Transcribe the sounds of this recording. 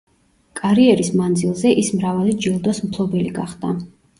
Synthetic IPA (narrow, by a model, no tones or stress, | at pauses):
kʼaɾiɛɾismand̪zilˠzɛʔismɾavalid͡ʒilˠd̪ɔsmpʰlˠɔbɛliɡaχd̪̥a